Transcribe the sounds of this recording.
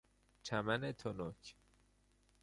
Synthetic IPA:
t͡ʃʰæmænet̪ʰonoc

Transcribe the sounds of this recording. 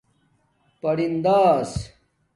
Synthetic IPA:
pɐɾind̪aːs

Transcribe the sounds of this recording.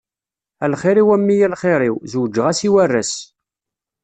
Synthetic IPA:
ælχɪɾiwæmːijælχɪɾˤiwzwd͡ʒːəʁæsiwærːæs

